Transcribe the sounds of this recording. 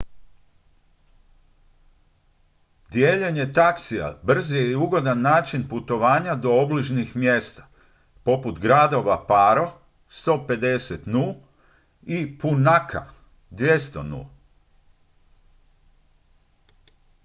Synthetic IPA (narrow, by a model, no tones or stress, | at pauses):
d̪jeːʎeɲe̞t̪aksia̰br̩zijeiuɡo̞d̪anːaːt͡ʃinput̪o̞ʋaːɲad̪o̞obliʒnixmjeːst̪ḁ | po̞put̪ɡɾad̪o̞ʋapaɾo̞ | st̪o̞ːpe̞d̪e̞set̪nul | ipunakʰa̰ | d̪ʋjest̪o̰nṵl